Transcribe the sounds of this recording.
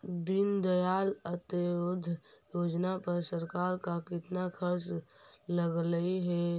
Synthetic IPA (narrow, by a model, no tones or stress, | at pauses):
d̪ɪnd̪əjaːlət̪əɾod̪ʱjoːd͡ʒnapəɾsəɾkaːɾkakɪt̪nakʰəɾt͡ʃləɡləiɦɛ